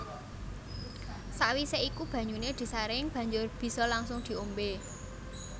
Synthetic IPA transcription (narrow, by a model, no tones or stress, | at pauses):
saʔwiseikub̥ä̤ɲuned̪̥i̤saɾɪŋb̥ä̤ɲd͡ʒʊrb̥i̤sɔlaŋsʊŋd̪̥i̤ombe